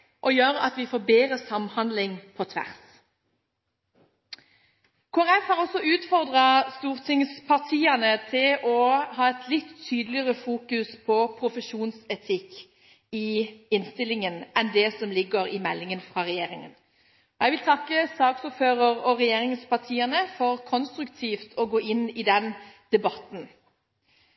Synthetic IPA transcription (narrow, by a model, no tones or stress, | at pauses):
ʔɔjøːɾɑt̪ʋɪfoːbeːʁəsɑmhɑnd̪lɪŋpʰɔt̪ʰʋæ̰ʁs | kʰʊɑʁɛfhɑːʁɔsːɔʉːt̪fɔʁd̪ʁɑst̪uːʁt̪ʰɪŋspʰɑʁt̪ʰiːɑnət̪ʰɪlʔɔhɑːɛt̪ʰlɪt̪ʰːyːd̪lɪəʁəfuːkʉspʰɔpʰɾʊfəʃuːnsɛt̪ʰɪkː | ɪɪnst̪ɪlɪŋənɛnd̪ɛsɔmlɪɡəɾɪmɛlːɪŋənfʁɑʁɛjeːɾɪŋən | ɔjɛɪʋɪlt̪ʰɑkːəsɑːɡsʊføːʁəʁɔʁɛjeːʁɪŋspʰɑʁt̪ʰiːənəfɔʁkʰɔnst̪ɾʉkt̪ʰiːft̪ʰɔɡoːɪnɪd̪ɛnd̪̥ɛbɑt̪n̩